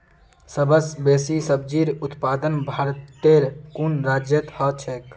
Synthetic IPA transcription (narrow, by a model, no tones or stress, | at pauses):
səbəsbesisəb̚d͡ʒiɾut̪pad̪ənbʱaɾt̪ːeɾkunɾad͡ʒjət̪hɔt͡ʃʰɛk